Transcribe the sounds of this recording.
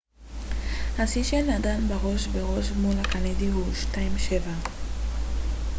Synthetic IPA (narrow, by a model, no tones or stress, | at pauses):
hasiʃenːadanbeʁo̞ʃbeʁo̞ʃmulakanidiɦuʃtaimʃeva